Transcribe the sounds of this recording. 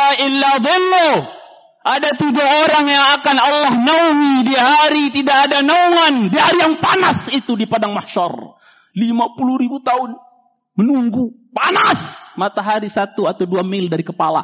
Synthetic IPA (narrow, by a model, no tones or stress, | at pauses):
aɪlːaðɪlːo | ʔadat̪ud͡ʒuoɾaŋjaŋakanalːahnauŋidiaɦaɾit̪idaːdanauŋandiɦaɾijaŋpanasit̪udipadaŋmahʃɔ̰r | limapuluɾibut̪aʊn | mənuŋɡupanasmat̪aɦaɾisat̪uat̪awduamɪldaɾikəpala̰